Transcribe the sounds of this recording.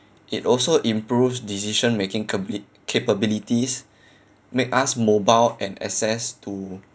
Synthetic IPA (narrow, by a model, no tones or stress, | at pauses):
ʔitɔlsoʔĩmpɹufsdisiʃə̃nmekɪ̃ŋ | kʰepəbilitis | mekasmobaɪlɛ̃nɛ̰sɛstu